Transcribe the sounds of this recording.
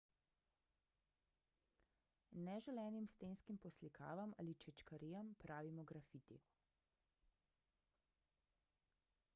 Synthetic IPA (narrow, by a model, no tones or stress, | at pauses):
nɛʒɛlɛːnimst̪eːnskimpɔslikʰa̰ːʋamʔa̰ːlit͡ʃɛt͡ʃkaɾiːjampɾʔaːʋimɔɡɾafit̪ḭ